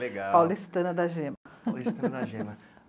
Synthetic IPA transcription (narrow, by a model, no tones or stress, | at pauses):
leɡapawlist̪ɐ̃nɐd̪ɐʒẽmɐ | ʒɐ